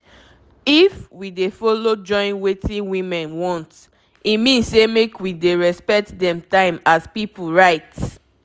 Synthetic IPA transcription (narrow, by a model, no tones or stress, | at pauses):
ifwidefɔlod͡ʒɔ̃ɪ̃nwetʰĩnwĩmɛ̃nwɔ̃nt | imĩnssemekwideɹɛspɛk̚tdɛ̃mtãɪ̃maspipuɹaɪt